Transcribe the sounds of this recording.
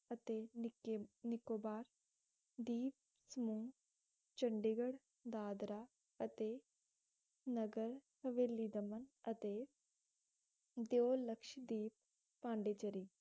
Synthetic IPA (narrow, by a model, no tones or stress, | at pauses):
ət̪eː | nɪkoːbaːɾ | d̪iːp̚ | səmũː | t͡ʃəɳɖɪɡəɽ | d̪aːd̪ɾaː | ət̪eː | nəɡəɾhəʋeːlːiːd̪əmənət̪eː | d̪eoːləkʃd̪iːp̚ː | ãːɳɖeːt͡ʃəɾiː